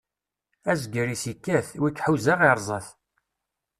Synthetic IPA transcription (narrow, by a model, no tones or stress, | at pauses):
æzɡəɾisikːæθwikːħuzaʁiɾˤzˤəθ